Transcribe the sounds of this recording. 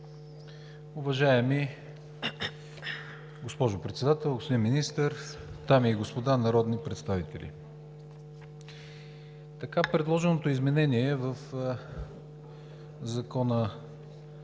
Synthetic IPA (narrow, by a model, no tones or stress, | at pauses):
ʊvɐʒaɛmi | ɡospɔʒʊpɾɛt̪sɛd̪at̪ɛlˠɡospod̪inminist̪əɾt̪amiɡospod̪anɐɾɔd̪nipɾɛt̪st̪avit̪ɛ̰lʲḭ | t̪ɐkapɾɛd̪lˠɔʒɛnot̪oizmɛnɛniɛvəf | zɐkɔnə